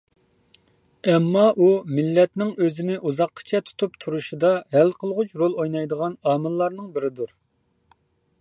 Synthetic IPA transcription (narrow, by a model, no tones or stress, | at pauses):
ɛmːɑʔumɪlːɛt̪nɪŋøzɪnɪʔuzɑqʰːə̥t͡ʃʰɛt̪ʰu̥t̪ʰup̚t̪ʰuɾuʃid̪ɑɦɛlqʰəlˠʁʊt͡ʃʰɾolˠojnɑjd̪əʁɑnɑːmɨlˠːɑɾnɨŋbɪɾɪd̪uɾ